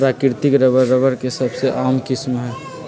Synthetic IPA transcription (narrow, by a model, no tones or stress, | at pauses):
pɾaːkɪɾt̪ɪkɾəbəːəbəɾkesɐbʱseʔaːmkɪsmɦɛː